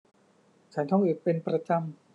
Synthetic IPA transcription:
t͡ɕʰa˦˥nt̪ʰɔ˥ŋʔɯː˨˩t̪̚pe˧npɾa˧t͡ɕa˧m

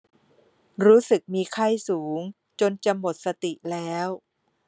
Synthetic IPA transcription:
ɾuː˦˥sɯ˨˩k̚miː˧kʰa˥˩jsuː˩˦ŋ | t͡ɕo˧nt͡ɕa˧mːo˨˩t̪̚sa˧t̪i˨˩ʔlɛː˦˥w

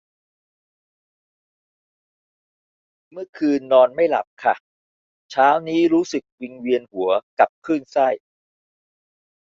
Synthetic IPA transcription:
mɯ˥˩ɐkʰɯː˧nːɔː˧nma˥˩jla̰˨˩p̚kʰa̰˦˥˩ | t͡ɕʰaː˦˥wniː˦˥ɾuː˦˥sɯ˨˩k̚wi˧ŋwi˧ənhu˩˦ɐka˨˩p̚kʰɯː˥˩nsa˥˩j

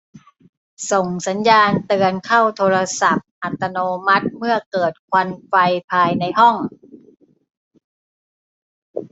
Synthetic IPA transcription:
so˨˩ŋsa˩˦njaː˧nt̪ɯ˧ənkʰa˥˩wt̪ʰoː˧ɾa˧sa˨˩p̚ʔa˨˩t̪ːa˧noː˧ma˦˥t̪̚mɯ˥˩ɐkɤː˨˩t̪̚kʰwa˧nfa˧jpʰaː˧jna˧jɦɔ˥˩ŋ

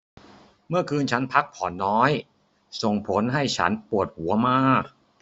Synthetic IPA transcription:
mɯ˥˩ɐkʰɯː˧nt͡ɕʰa˦˥npʰa˦˥k̚pʰɔː˩˦nːɔː˦˥j | so˨˩ŋpʰo˩˦nɦa˥˩jt͡ɕʰa̰˦˥npu˨˩ət̪̚hu˩˦ɐmaː˥˩k̚

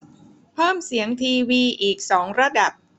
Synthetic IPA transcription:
pʰɤː˥˩msi˩˦əŋt̪ʰiː˧wiː˧ʔiː˨˩k̚sɔː˩˦ŋɾa˧da˨˩p̚

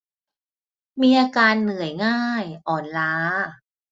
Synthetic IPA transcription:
miː˧ʔaː˧kaː˧nːɯ˨˩˦əjŋaː˥˩jʔɔː˨˩nlaː˦˥

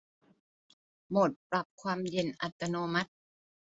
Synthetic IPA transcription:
mo˨˩t̪̚pɾa˨˩p̚kʰwaː˧mje˧nʔa̰˨˩t̪ːa˧noː˧ma˦˥t̪̚

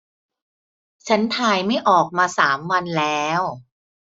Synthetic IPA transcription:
t͡ɕʰa˦˥nt̪ʰaː˧jma˥˩jʔɔː˨˩k̚maː˧saː˩˦mwa˧nlɛː˦˥w

